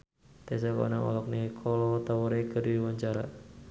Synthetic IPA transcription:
t̪ɛsakɔ̰naŋɔ̰lɔk̚nikʰɔlɔt̪awɔɾekədiwaɲt͡ʃaɾa

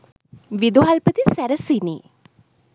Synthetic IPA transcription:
ʋid̪oɦalpət̪isæɾəsinḭː

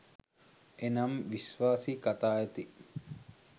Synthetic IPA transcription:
enamʋisʋaːsikat̪aːjet̪i

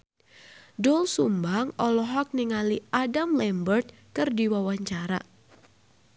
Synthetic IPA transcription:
dɔlsumbaŋɔlɔɦɔk̚niŋaliʔadamlɛmbərt̪̚ | kɨrdiwawaɲt͡ʃaɾa̰

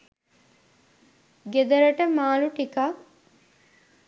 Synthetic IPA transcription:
ɡed̪ɐɾɐʈəmaːluʈika

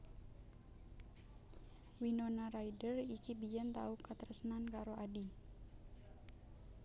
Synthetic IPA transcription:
winonaɾaidərikibijɛnt̪a̰ukat̪əɾəsənankaɾoʔadi

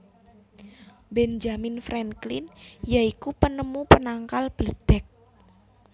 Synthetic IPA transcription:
bɛnd͡ʒamɪnfɾɛŋklɪnjaikupənəmupənaŋkalb̥ələd̥ɛk̚

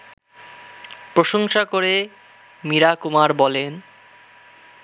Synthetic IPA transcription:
pɾoʃoŋʃakoɾe | miɾakumaɾbɔlen

